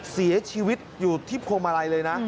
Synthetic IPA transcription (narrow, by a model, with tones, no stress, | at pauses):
si˨˩˦ɐt͡ɕʰiː˧wi˦˥t̪̚juː˨˩t̪ʰiː˥˩pʰoː˧mʔa˧ɾa˧jlɤː˧jna˦˥